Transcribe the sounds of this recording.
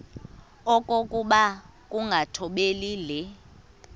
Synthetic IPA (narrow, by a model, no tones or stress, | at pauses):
ɔkʼokʼuɓakʼuŋɡʱatʰɔɓeliːlɛ